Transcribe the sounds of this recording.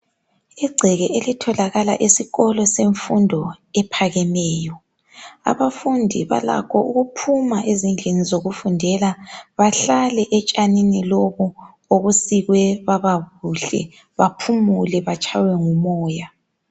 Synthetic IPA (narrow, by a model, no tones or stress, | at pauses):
iɡ͡ǀʱɛɣɛʔelitʰɔlaɣala̰ʔisiɣɔlɔseɱfundʱɔɛpʰaɣɛmɛːjɔ | a̰βafundʱiβa̰la̰kʰɔʔuɣupʰumaʔezind͡ɮʱenizoɣufundʱɛlaβaɬalɛʔɛt͡ʃʼaniniloɣu | oɣusiɣwɛβaβaɣuɬɛ̰ | βapʰumulɛβat͡ʃʼawɛŋumɔːja